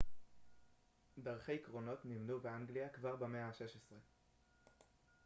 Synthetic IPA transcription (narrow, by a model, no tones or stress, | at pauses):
daʁχejikʁo̞no̞tnimnubeaŋɡliakvaʁbemeaaʃe̞ʃesʁe̞